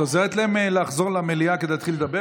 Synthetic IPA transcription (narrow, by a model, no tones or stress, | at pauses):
ozeʁet̪laemleaχzo̞ʁlameliaked̪ejat̪χiled̪abe